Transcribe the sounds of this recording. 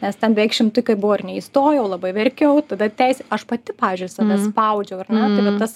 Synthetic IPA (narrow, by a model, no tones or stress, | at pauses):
nʲɛstʲɛnbʲɛʋʲɛɪkʃʲɪmt̪ʊɪkɐɪbʊʋoːɪrnʲɛist̪oːjɛʊlˠɐbɐɪʋʲɛrʲkʲɛʊt̪ɐd̪ɐt̪ʲɛɪsʲɛɐʃpɐt̪ʲɪpɑːʋʲɪzʲd͡ʒʊɪsɐʋʲɛspɐʊd͡ʒʲɛʊɐrnʲɛt̪ɐɪʋɐt̪t̪ːɐs